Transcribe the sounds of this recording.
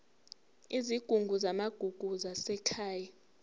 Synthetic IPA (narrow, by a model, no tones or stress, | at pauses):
iziɡ̥ʱuŋɡʱuzamaɡ̥ʱuɡ̥ʱuzasɛkʰaːja